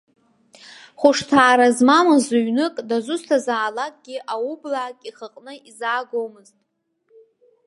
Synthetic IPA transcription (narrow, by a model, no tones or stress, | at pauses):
χʷʊʂtʰaːɾazmamazuɥnɨkʼdazʊstʰazaːlakʼɡ̥ʲɪʔawublaːkʼiχəqʼnɨizaːɡowmɨztʼ